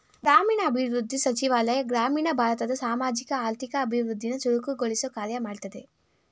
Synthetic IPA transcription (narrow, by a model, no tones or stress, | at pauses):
ɡɾaːmiːɳɐːbʱiʋɾud̪ʱːisɐt͡ʃiʋaːlɐjɐɡɾaːmiːɳɐbʱaːɾɐt̪ɐd̪ɐsaːmaːd͡ʒikɐaːɾt̪ikɐːbʱiʋɾud̪ʱːinɐt͡ʃuɽukuɡoɭisuɐkaːɾjɐmaːɖt̪ɐd̪e̞